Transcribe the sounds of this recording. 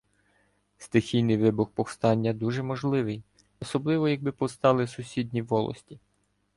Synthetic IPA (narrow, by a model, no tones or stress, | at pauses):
st̪ɪxʲijnɪjʋɪbʊxpɔwst̪ɑnʲːɐd̪uʒɛmɔʒlˠɪʋɪj | ɔsɔblˠɪʋɔjɐɡ̚bɪpɔwst̪ɑlˠɪsʊsʲidʲnʲiʋɔlˠɔ̰sʲtʲi